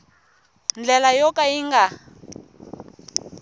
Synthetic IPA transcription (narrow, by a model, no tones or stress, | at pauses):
nd͡ɮɛlajɔkʼaiŋɡa